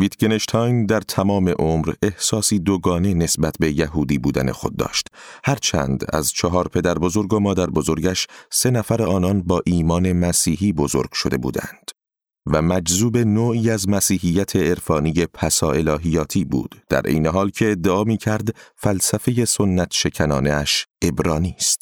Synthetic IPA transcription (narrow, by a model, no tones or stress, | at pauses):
viːt̪ɡeneʃt̪ʰɒjnd̪æɾt̪ʰæmɒːme̞ʔomɾe̞hsɒːsiːd̪oɡɒːne̞ne̞sbæt̪ʰbe̞jæɦuːd̪iːbuːd̪æ̰ne̞̰xo̞̰d̪̚ːɒ̰ːʃt̪ | hæɾt͡ʃʰæ̰ːnd̪æ̰zt͡ʃʰɒɦɒːɾpʰe̞d̪æɾbo̞zo̞ɾɡomɒːd̪æɾbo̞zo̞ɾɟæʃse̞næfæɾeɒːnɒnbɒːʔiːmɒːne̞mæsiːɦiːbo̞zo̞̰ɾɡ̥ʃo̞̰d̪e̞̰bṵːd̪æ̰nd̪̥ | væmæd͡ʒzuːbe̞noːiːæzmæsiːɦijːæt̪ʰe̞ːɾfɒːnije̞pʰæsɒːe̞lɒːɦijɒːt̪ʰiːbṵːd̪̥d̪̥æ̰ɾʔe̞̰jne̞ɦɒːlcʰe̞ːd̪ːe̞ɒːmiːcʰæɾd̪fælsæfeje̞sonːæt̪ʰʃe̞cʰænɒːneæʃe̞bɾɒːniːst̪